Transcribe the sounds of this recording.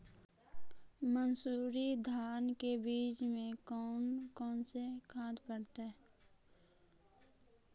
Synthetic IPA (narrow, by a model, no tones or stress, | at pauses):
mənsuːɾid̪ʱaːnkebiːt͡ʃmẽkɔːnkɔːnsekʰaːd̪pəɽt̪ːɛ